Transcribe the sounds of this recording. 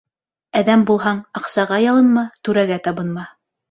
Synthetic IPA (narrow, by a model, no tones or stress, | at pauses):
æðæmbulˠɦɑɴɑqsɑʁɑjɑlˠɤ̆nmɑt̪ʉɾæɡæt̪ɑβɤ̆nmɑ